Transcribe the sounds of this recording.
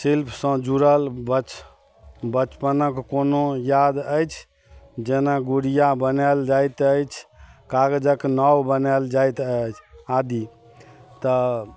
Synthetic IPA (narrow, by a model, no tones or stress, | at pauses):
silpʰsə̃d͡ʒuɾəlbət͡ʃ | bət͡ʃpənəkːonojad̪əjt͡ʃʰ | d͡ʒenaɡuɾijabənɛld͡ʒajt̪əjt͡ʃʰkaɡəd͡ʒəknɔwbənɛld͡ʒajt̪ət͡ʃʰad̪i | t̪ə